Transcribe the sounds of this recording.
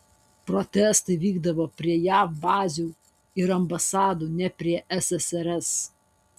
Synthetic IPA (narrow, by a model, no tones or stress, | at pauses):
pɾɔt̪ʲɛˑst̪ɐɪʋʲiːɡd̪ɐʋoːpʲɾʲiɛjæːfbɑːzʲu | ɪɾɐmbɐsɑːd̪uːnʲɛpʲɾʲiɛʔɛsɛsɛɾɛs